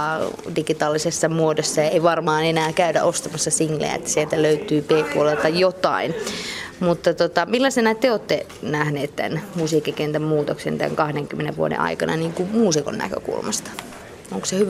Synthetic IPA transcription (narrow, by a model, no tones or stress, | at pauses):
diɡit̪ɑːlːisesːɑmuodosːɑjɑeiʋɑrmɑːnenæːkæydæ̰ʔost̪ɑmɑsːɑsiŋlḛjæ̰ḛt̪ːæ̥sielt̪æløyt̪yːpeːpuolelt̪ɑjot̪ɑ̰inmut̪ːɑt̪ot̪ɑmilːɑsenɑt̪t̪eoːt̪ːenæhneːt̪t̪æ̰nmusiːkːikent̪æmmuːt̪oksḛnt̪æ̰ŋkɑhdeŋkymːenḛʋʋṵodḛʔɑ̰ikɑnɑ̰niːŋkummuːsiko̰nnæ̰kø̰kṵlmɑst̪ɑ̥ | oŋko̥sehyʋ